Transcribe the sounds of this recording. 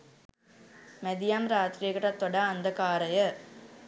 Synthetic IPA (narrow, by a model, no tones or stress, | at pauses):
med̪ijaːmɾaːt̪ɾijekɐʈːat̪ːɔɽaːɐnd̪ɐkaːɾɐjɐ